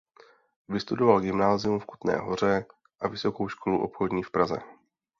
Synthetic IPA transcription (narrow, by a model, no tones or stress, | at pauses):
vɪst̪udo̞valɡɪmnaːzɪumfku̥t̪nɛ̰ːɦo̞̰r̝ɛ | ʔavɪso̞kowʃkʰo̞luʔo̞̰pxo̞dɲiːfpɾazɛ̰